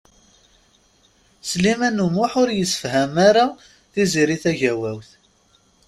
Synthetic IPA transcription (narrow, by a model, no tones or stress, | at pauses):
slimænumʊħʊɾjəsːə̥fhæmaɾa | θiziɾiθæʝæwæwθ